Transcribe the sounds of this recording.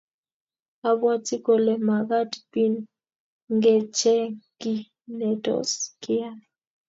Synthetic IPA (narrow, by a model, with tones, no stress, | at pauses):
a˨bwa˦ti˦kɔ˨lɛ˨ma˨ɡa˦tpi˦n | ŋɡɛ˦˨t͡ʃɛ˦ki˦ | nɛ˨tɔ̰˨skʰɪ˦a˦